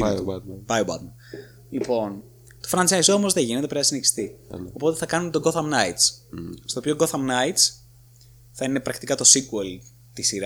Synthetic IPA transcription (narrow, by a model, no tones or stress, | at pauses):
bɐjobɐ̰t̪mɐ | lipo̞n | t̪ofɾɐnsɐiso̞mo̞zðe̞ʝinet̪epɾenɐsineçi̥st̪io̞po̞t̪e̞θɐkɐnunt̪o̞ɡo̞θɐmnɐjt̪sst̪oːpioɡo̞θɐmnɐjt̪s | θɐine̞pɾɐkt̪ikɐt̪o̞siɡuel | t̪isiɾɐ